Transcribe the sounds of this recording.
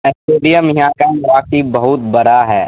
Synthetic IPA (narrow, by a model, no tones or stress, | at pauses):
ɛsʈeːɖijamiɦãkamɐɾaːkt̪ibɐɦʊt̪bɐɾaɦɛː